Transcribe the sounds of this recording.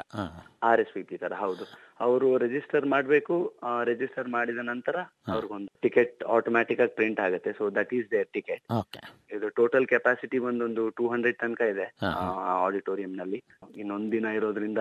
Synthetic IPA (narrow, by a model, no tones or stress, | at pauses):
aːɾespipit̪ɐɾɐɦɐwd̪u | ɐʋɐɾuɾed͡ʒisʈɐɾmaːɽbe̞ːkuɾed͡ʒisʈɐɾmaːɽid̪ɐnɐnt̪ɐɾɐ | ɐʋɐɾiɡond̪uʈikeʈ̚aːʈoːmaːʈikaːɡipɾiɳʈaːɡut̪ːesoːd̪ɐʈiːd͡ʒd̪eɾʈikeʈ̚oeid̪uʈoːʈɐlkɛpaːsiʈibɐnd̪o̞nd̪uʈuːɦɐɳɖɾeɖ̚t̪ɐnkɐid̪e̞ː | aːɖiʈoːɾijɐmnɐlːi | inːo̞nd̪ud̪inɐiɾo̞ːd̪ɾind̪ɐ